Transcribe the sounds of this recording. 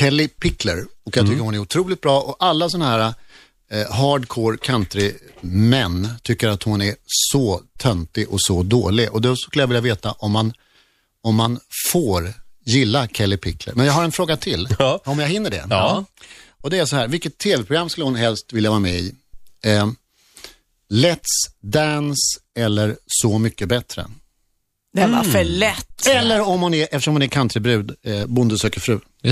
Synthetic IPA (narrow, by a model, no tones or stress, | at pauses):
kʰɛlːɪpʰɪkʰlə̰ɾɔkjaɡt̪ʰʏkːəhʊnæɾʊt̪ʰɾuːlɪt̪̚bɾɑːʔɔalːasɔnahæːɾa | ɦɑːɖkʰoːɾkʰant̪ɾɪmɛnːt̪ʰʏkːəɾat̪hʊnæsɔt̪ʰœnt̪ɪʔɔsɔd̪oːlɪɡʔɔd̪ɛsɔkɵləjavɪljaveːt̪aʔɔmːan | ɔmːanfoːɾjɪlːakʰɛlːɪpʰɪklə̰ɾmɛnjaːɡhaɾɛnfɾoːɡat̪ʰɪlɔmjaɦɪnːəɖɛ̰ | ɔd̪ɛæsɔhæːɾvɪlkːət̪ʰːeːvɛpʰɾʊɡɾamːskɵlːəhʊnɦɛlst̪vɪljavɑːɾamɛːɪ | lɛt̪sd̪ænsɛlːəɾsɔmʏkːəbɛt̪ɾə̰ | d̪ɛva̰fəɭɛt̪ːɛlːəɾɔmhʊnɛʔɛft̪əʂɔmhʊnɛɾkʰant̪ʰɾəbɾʉ̟ːd̪bʊnd̪əsøːkəfɾʉ̟ː